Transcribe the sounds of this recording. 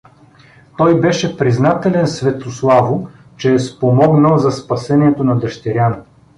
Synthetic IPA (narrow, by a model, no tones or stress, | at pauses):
t̪ɔjbɛʃɛpɾiznat̪ɛlɛnsvɛt̪oslˠavʊ | t͡ʃɛːspomɔɡnəlˠzɐspɐsɛniɛt̪onɐd̪ɐʃt̪ɛɾʲjan